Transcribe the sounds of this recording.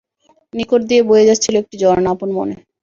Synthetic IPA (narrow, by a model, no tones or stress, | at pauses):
nikoʈ̚d̪iebojed͡ʑatːt͡ɕʰiloek̚ʈid͡ʑɔɾonaponmo̰ne